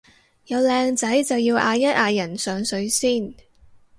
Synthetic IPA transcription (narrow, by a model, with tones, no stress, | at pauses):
jɐ˨˧wlɛː˧ŋt͡sɐ˨˥jt͡sɐ˨wjiː˧wʔaː˧jɐ˥t̚ʔaː˨˧jɐ˨˩nsœː˨˧ŋsɵ˨˥ɥsiː˥˩n